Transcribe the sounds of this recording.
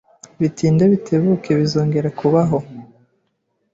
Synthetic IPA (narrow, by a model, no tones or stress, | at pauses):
βitiːndeβitʰe̞βuke̞βizoːŋɡe̞ɾakʰuβaɦo̞